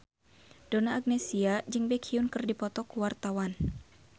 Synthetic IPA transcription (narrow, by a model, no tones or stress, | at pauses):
d̥onaːɡ̚nɛsiad͡ʒɨŋbɛkʰiunkɨrdipɔt̪ɔkuwart̪awan